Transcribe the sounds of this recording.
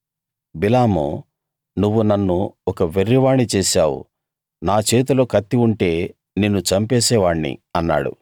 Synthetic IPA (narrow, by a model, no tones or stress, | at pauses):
bilaːmo̰ | nuʋːunɐnːuɔkɐʋeɾːiʋaːɳit͡ʃeːʃaːwṵ | naːt͡ʃe̞ːt̪̬ulo̞ːkɐt̪ːiuɳʈe̞ː | neːnːut͡ʃɐmpeːsɛːʋaːɳnḭɐnːa̰ːɽṵ